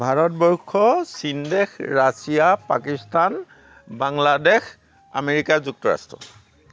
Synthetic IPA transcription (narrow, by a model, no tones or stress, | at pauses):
bʱaɹɔt̚bɔɹkʰːɔsindɛxɹasijapakistʰan | baŋladex | a̰meɹikazuk̚tɔɹa̰stɹɔ̰